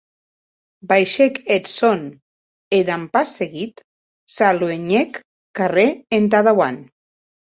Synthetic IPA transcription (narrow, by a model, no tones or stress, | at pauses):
bajʃeket̪son | ed̪ampasːeɣit̪ | saloeɲekː | areent̪̬aðawa̰n